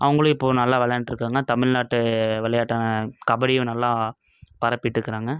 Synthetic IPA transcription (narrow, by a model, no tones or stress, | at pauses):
ʔɐʋɐŋɡɐɭɯ̃ɪpːoːnɐlːaːʋɐɭɐjanʈːɾɯkːaːŋɡɐt̪ɐmɪɭnaːʈːɯʋɪɭɐjaːʈːaːnɐkɐbɐɽɪjʊ̃nɐlːaː | pɐɾɐpːɪʈːɪɾɯkːɐɾaːŋɡɐ